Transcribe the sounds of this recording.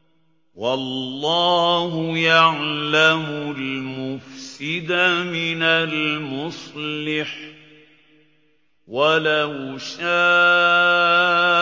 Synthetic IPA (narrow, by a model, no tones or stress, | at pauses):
wɑlːɑːhʊjaʕlamʊlmʊfsɪd̪amɪnalmʊsˤlɪħ | walahʃaː